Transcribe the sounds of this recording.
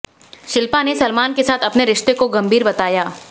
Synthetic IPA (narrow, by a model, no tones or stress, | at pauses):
ʃɪlpanesɐlmaːnkesaːt̪ʰɐpneɾɪʃt̪ekoɡɐ̃mbʱiːɾbɐt̪aːjaː